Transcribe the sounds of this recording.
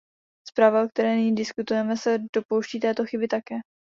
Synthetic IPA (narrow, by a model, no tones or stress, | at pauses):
spɾaːvaok̚t̪ɛɾɛːnɪɲiːdɪskut̪ujɛmɛsɛd̥o̞po̞wʃciːt̪ɛːt̪o̞xɪbɪt̪akɛː